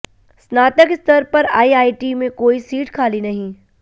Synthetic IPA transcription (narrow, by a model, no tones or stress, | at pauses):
snaːt̪əkst̪ʰəɾpɐɾa̰ːiaːiʈimẽkoːisiːʈkʰaːlinɐɦĩ